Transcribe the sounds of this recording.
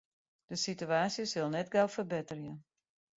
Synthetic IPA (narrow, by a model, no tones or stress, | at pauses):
d̥əsityaːsjəsɪlˠnɛtɡɛwfərbɪtərjən